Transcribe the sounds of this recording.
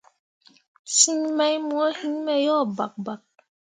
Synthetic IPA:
si˦ɲma˦jmu˦ɔ˦hi˦ɲmɛ˦jɔ˦˨ba˨k̚ba˨k̚

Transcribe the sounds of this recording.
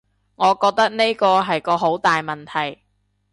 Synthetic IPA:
ŋɔː˨˧kɔː˧k̚t̪ɐ˥k̚ne˥jkɔː˧ɦɐ˨jkɔː˧ɦo˨˥wt̪aː˨jmɐ˨˩nt̪ʰɐ˨˩j

